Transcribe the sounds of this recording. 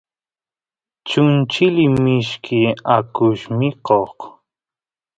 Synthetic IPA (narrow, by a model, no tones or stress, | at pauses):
t͡ʃʊnt͡ʃɪlɪmɪʃkʰɪakʊʃmɪqoq